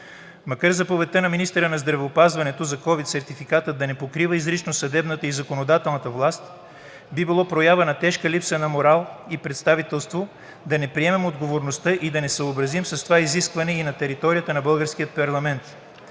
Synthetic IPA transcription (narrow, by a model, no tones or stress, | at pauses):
mɐkaɾzɐpovɛt̪ənɐminist̪ɛɾənɐzd̪ɾɐvɛopazvɐnɛt̪ozɐkɔvit̪sɛɾt̪ifikat̪əd̪ɐnɛpokɾivəizɾit͡ʃnosɐd̪ɛbnət̪əizɐkonod̪at̪ɛlˠnət̪əvlˠast̪ | bibilˠɔpɾojavɐnɐt̪ɛʃkəlipsənɐmoɾalˠipɾɛt̪st̪avit̪ɛlˠst̪vo | d̪ɐnɛpɾiɛmɛmod̪ɡovoɾnost̪əʔid̪ɐnɛsəobɾɐzimsɐst̪ovaiziskvɐnɛinɐt̪ɛɾit̪ɔɾijət̪ənɐbɤlˠɡəɾskiət̪̚pɐɾlˠɐmɛnt̪